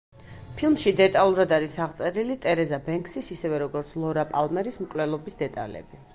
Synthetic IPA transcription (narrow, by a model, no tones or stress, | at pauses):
pʰilˠmʃid̪ɛt̪ʼalˠuɾad̪aɾisaʁt̪sʼɛɾilit̪ʼɛɾɛzabɛŋksisisɛvɛɾɔɡɔɾt̪sʰlˠɔɾapʼalˠmɛɾismkʼlɛlˠɔbisd̪ɛt̪ʼa̰lɛ̰bi